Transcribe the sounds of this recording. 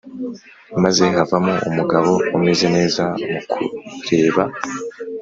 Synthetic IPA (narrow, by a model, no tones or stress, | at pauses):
maze̞ɦavamoumuɡaβo̞umeze̞ne̞ːzamukʰṵɾe̞ːβa